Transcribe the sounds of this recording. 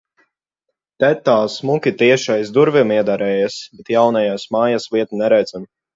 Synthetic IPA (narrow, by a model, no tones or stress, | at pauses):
t̪ɛt̪aːsmukʲit̪iɛʃajzd̪uɾvʲimiɛd̪aɾɛːjasbɛt̪jawnajaːsmaːjasviɛt̪unɛɾɛjd̪ɛm